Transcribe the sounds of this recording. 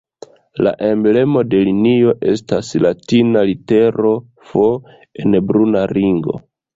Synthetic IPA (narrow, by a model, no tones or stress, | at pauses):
la̰ʔe̞mble̞mo̞de̞linio̞ʔe̞̰staslatinalite̞ɾo̞ | fo | e̞nbɾunaɾiŋɡo̞̰